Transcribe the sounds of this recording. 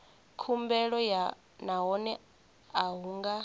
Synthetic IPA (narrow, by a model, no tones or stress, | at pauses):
kʰumbɛɺɔja | naɦɔnɛ | aɦuːŋɡa